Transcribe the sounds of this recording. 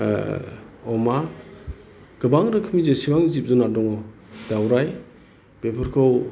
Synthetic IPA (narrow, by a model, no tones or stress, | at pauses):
ɔma | ɡ̥ɯbaŋɾɯkʰɯmizesibaŋzip̚zunadɔŋɔ | dawɾaj | b̥epʰɯɾkʰɔw